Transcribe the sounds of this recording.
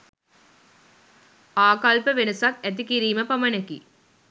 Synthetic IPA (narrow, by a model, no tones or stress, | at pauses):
aːkalpɐʋenɐsak̚ɛt̪̬ikiɾiːmɐpɐmɐnɐki